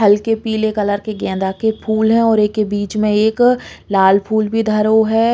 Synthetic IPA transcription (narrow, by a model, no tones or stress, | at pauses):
ɐlkepiːlekɐləɾkeɡɛ̃ːnd̪akepʰuːlɦɛ̃ɔːɾeːkːebiːt͡ʃmẽeːklaːlpʰuːlbʱid̪ʱɐɾoɦɛː